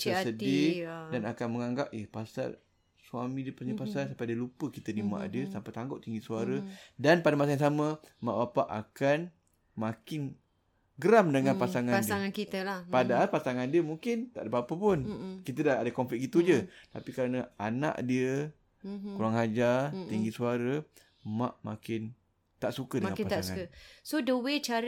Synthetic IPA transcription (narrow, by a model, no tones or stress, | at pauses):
əsədidanakanməŋaŋɡap̚ehpasa̰r | suamĩdiəpərɲəpasarsampajdiəlupəkit̪ənima̰ʔdiəsampajt̪aŋɡɔʔt̪iŋɡiʔsuaɾədanpadamasajãŋs̬aməma̰ʔbapaʔakan | makɪn | ɡəɾamdəŋanpasaŋandiaŋankit̪əlapadaɦalpasaŋandiəmuŋkɪnt̪a̰ʔdəbapəpʊnkit̪ədaadəkɔmflɪk̚it̪ud͡ʒət̪apikaɾanə̃ana̰ʔdiə | kuɾaŋɦad͡ʒat̪iŋɡisuaɾə | mã̰ʔma̰kɪn | t̪aʔsukədəŋanpaaasŋaəsodəwet͡ʃaɾ